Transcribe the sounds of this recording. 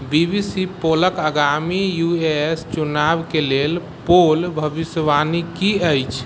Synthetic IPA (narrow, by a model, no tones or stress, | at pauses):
bibisipoləkəɡamijuest͡ʃunabkelel | polbʱəbisʋanikiəjt͡ʃʰ